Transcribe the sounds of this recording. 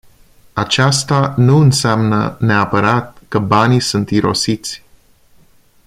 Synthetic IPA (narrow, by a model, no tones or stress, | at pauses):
at͡ʃast̪anuɨnseamnə̰neapəɾat̪̚kəbanisunt̪iɾo̞̰sit̪sʲ